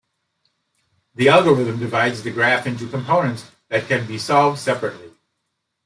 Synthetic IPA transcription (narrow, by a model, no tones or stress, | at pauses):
ðiælˠɡoɹɪðɨ̃mdɨvaɪdzðɨɡɹæfɪ̃ntʉkʰə̃m̩pʰõʊ̃nɨ̃nts | ðɨt̚kʰɨ̃nbisɑlˠvd̥sɛpɹɨtˡli